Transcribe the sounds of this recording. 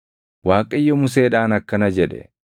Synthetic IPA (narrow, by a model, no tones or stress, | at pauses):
waːkʼɐɪjːɔmʊs̬eːᶑaːnɐkːɐnɐd͡ʒɛᶑɛ̰